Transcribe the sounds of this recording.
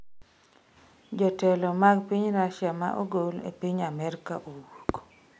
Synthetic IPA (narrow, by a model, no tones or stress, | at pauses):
d͡ʒɔtɛlɔmaɡpiɲɾaʃjama̰ʔoɡolḛpiɲamɛrkaʔowoko̥